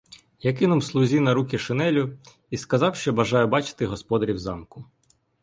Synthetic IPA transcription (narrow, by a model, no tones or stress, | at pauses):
jakɪnʊwslˠʊzʲinɐɾukʲiʃɪnɛlʲʊ | iskɐzɑwʃt͡ʃɔbɐʒɑjʊbɑt͡ʃɪ̥t̪ɪɦɔspɔd̪ɐɾʲiwzɑmkʊ